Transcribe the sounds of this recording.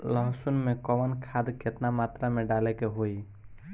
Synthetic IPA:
ləɦsunmekɔʋənkʰad̪ket̪namat̪ɾameɖalɛkeɦoi

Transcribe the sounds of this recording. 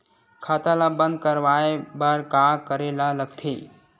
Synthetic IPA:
kʰaːt̪alabə̃nd̪̚kəɾʋaːebaɾkakəɾelaləɡt̪ʰeː

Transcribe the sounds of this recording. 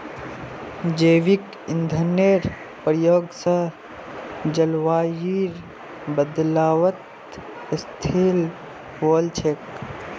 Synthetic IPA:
d͡ʒeːʋik | ind̪ʱəneːɾ | pəɾjoːɡsə | d͡ʒəlʋaːjiɾ | bəd̪laːʋət̪ | st̪ʰel | ʋoːlt͡ʃʰeːk

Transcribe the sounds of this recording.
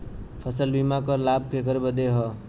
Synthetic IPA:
pʰəsəlbimakəɾlab̚kekəɾbəd̪eɦɔ

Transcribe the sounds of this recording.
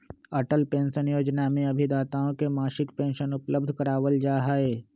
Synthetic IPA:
ɐʈəlpẽːnʃənjoːd͡ʒnamẽɐbʱid̪aːt̪aːõkemaːʃɪkpẽːnʃənʊpləb̚d̪ʱkɐɾaːʋəld͡ʒaːɦaːeː

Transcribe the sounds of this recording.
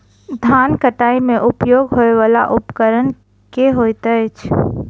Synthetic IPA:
d̪ʱankəʈaimẽʔupjoɡɦoeʋala̰ʔʊpkəɾən | keɦojt̪ət͡ʃʰ

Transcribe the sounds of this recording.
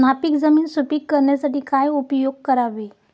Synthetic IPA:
napikd͡zəmiːnsupikkəɾɳjasaʈiːkajupjoɡ̚kəɾaʋe

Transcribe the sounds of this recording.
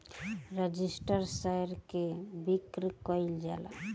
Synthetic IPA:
ɾəd͡ʒisʈəɾsajɾkebikɾkɔjld͡ʒala̰

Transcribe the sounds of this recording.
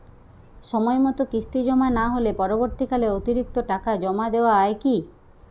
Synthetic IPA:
ʃɔmɔemɔt̪okist̪id͡ʑɔmanaɦolepɔɾoboɾt̪ikaleot̪iɾik̚t̪oʈakad͡ʒɔmad̪eoaaeki

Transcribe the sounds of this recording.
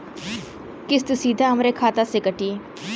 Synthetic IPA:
kɪst̪usiːd̪ʱaɦɐmɾekʰaːt̪asekəʈiː

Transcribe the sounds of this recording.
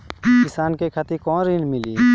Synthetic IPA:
kɪsaːnkekʰat̪ikɔ̃ːnɾinmɪliː

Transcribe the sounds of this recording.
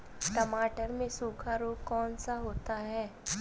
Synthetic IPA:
ʈɐmaːʈəɾmẽsuːkʰaɾoːkɔːnsaɦoːt̪aɦɛː

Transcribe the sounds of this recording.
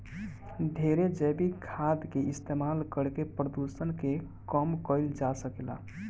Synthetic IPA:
d̪ʱeɾed͡ʒəjbikʰad̪keist̪emalkəɽkepɾəd̪usənke | kəmkəɪld͡ʒasəkela̰

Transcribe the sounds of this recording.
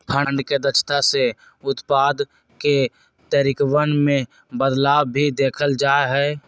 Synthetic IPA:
pʰəɳɖked̪ət͡ʃʰt̪ase | ʊt̪paːd̪ | ke | t̪əɾɪkwənmẽ | bəd̪laːwʱid̪eːkʰəld͡ʒaːɦɛː

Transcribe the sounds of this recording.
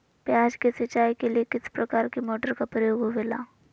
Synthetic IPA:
pjaːd͡ʒkesɐt͡ʃːaːikeliekɪspɾɐkaːɾkemɔːʈəɾkapɾəjoːɡɦoʋela̰ː

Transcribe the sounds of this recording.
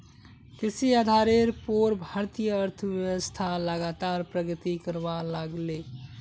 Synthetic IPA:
kisiad̪ʱaɾeɾpoɾbʱaɾt̪ijəəɾt̪ʰəʋjəʋəst̪ʰaləɡat̪aɾpɾəɡət̪ikəɾbalaɡle

